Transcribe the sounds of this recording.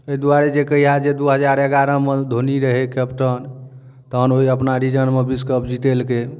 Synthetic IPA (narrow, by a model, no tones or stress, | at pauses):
əid̪uaɾed͡ʒekəjɦad͡ʒed̪uɦəd͡ʒaɾeɡaɾə̃med̪ʱoniɾəɦekɛpʈən | t̪ənoɦiəpnaɾid͡ʒənmebiskəp̚d͡ʒit̪elke